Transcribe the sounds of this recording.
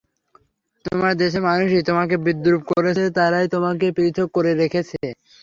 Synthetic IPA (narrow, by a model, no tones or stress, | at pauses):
t̪omaɾd̪eʃ̬eɾmanuʃit̪omakebid̪ːɾub̚koɾet͡ɕʰet̪aɾajt̪omakepɾit̪ʰokːoɾeɾekʰet͡ɕʰe